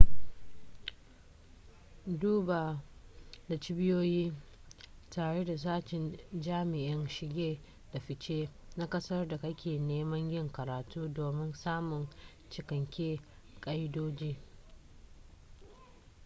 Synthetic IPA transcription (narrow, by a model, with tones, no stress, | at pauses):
duː˦ba˨ | da˨t͡ʃɪ˦bɪ˦joː˦jiː˦ | taː˨ɽe˦da˨s̬aː˦t͡ʃɪ˨nd͡ʒaː˦mɪ˨ʔɪ˦nʃɪ˨ɡʲeː˦ | d̥a˨ɸɪ˨t͡ʃeː˦na˦kʼɐ˦sɐ˦rda˨kɐ˦kʲeː˨neː˦mɐ˦ɲjɪ˦ŋkɐ˨ɾaː˨tuː˦doː˨mɪ˦nsaː˦mʊ˨ŋ | t͡ʃɪ˨kɐ˨ŋkʲeː˦ | kʼɐ˦jdoː˦d͡ʒiː˦